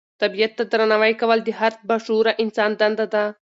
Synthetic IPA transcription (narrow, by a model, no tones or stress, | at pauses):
t̪ɐbijɐt̪ːad̪ɾanɐʋajkɐʋɐld̪iɦɐɾt̪̚bɐʃuɾaʔɪnsaːnd̪ɐnd̪ad̪a